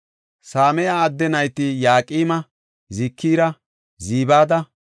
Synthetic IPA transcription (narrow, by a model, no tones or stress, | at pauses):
saːmɛjaːd̪ːɛnɐjt̪ɪjaːkʼiːmɐ | zɪkʰːiːɾɐ | ziːbaːd̪ɐ